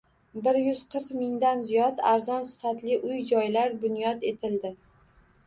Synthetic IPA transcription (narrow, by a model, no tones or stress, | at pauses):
bɪɾjʊz̥qʰɨɾqmɪŋd̪anzijɒt̪aɾzɒnsɪ̥fat̪lɪʔʊjd͡ʒɒjlaɾbʊnjɒt̪e̞t̪ʰɪld̪ɪ